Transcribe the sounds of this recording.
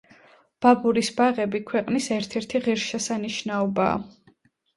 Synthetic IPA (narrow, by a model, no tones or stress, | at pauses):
b̥abuɾisbaʁɛbikʰwɛqʼnisɛɾt̪ʰɛɾt̪ʰiʁiɾʃɛsaniʃnaɔba̰ː